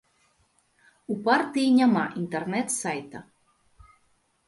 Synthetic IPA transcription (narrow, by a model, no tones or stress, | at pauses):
upaɾt̪ijɲʲamaːʔint̪ɛɾnɛt̪sajt̪a